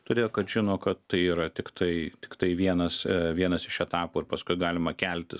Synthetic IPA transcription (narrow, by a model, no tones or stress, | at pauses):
t̪ʊɾʲeːjoːkɐt̪ʒʲɪnoːkɐt̪t̪ɐɪiːɾɐt̪ʲɪkt̪ʰɐɪt̪ʲɪ̥kt̪ɐɪʋʲiɛnɐsʋʲiɛnɐsɪʃɛt̪ɑːpuːɪɾpɐskʊɪɡɑːlʲɪmɐkʲælʲt̪ʲɪs